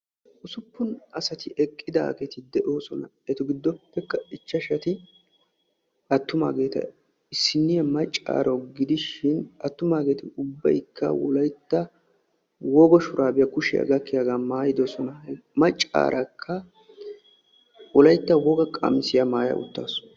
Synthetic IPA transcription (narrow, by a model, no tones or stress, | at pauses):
ʔʊsʊpːʊnɐsɐt̪ɪʔɛkʼːɪd̪a̰ːɡet̪ɪd̪ɛʔoːsɔnɐ̰ | ɛt̪ʊɡɪd̪ːɔpːɛkːɐɪt͡ʃːɐʃɐt̪ɪ | ʔɐt̪ːʊma̰ːɡe̞ːt̪ɐ̰ | ɪsːɪnːɪjɐmɐt͡ʃʼːa̰ːɾʔɐwɡɪd̪ɪʃɪnɐt̪ːʊmaːɡe̞ːt̪ɪʊbːɐ̰jkʰːɐ̰wɔ̰lɐjt̪ːɐ | wɔɡɔʃʊɾʔaːbɪjɐkʊʃɪjɐ̰ɡɐkːɪjɐɡaːmaːjɪd̪ɔsɔnɐ | mɐt͡ʃʼːa̰ːɾʔɐkʰːɐ | wɔlɐjt̪ːɐwɔɡɐkʼɐ̰mɪsɪjɐmaːjɐ̰ʔʊ̰t̪ːa̰ːsʊ̥